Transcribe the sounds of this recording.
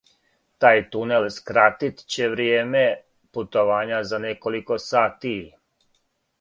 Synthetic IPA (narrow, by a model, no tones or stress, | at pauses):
t̪aːjt̪unelskɾat̪it̪t͡ɕe̞ʋɾjeːme | put̪o̞ʋaːɲazaneko̞liko̞saːt̪i